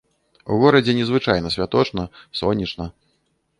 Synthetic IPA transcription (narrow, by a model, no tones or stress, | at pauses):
ṵɣɔɾɐd͡zʲɛnʲɛzvɨt͡ʂajnɐsʲvʲat̪ɔt͡ʂnɐsɔnʲit͡ʂnɐ